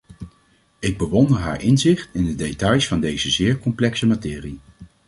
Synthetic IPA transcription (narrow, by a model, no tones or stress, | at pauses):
ɪɡ̚bəʋɔndəɹɦa̰ːɹʔɪnzɪχtɪndədejtɑjsfɑndejz̥əzɪːɹkɔmplɛksəmatɪːri